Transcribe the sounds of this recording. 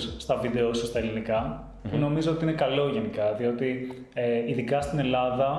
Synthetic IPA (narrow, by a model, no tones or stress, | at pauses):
sst̪ɐvid̪e̞osost̪ɐe̞linikɐ | puno̞mizoot̪iinekɐlo̞ʝenikɐðio̞t̪i | eiðikɐst̪ine̞lɐðɐ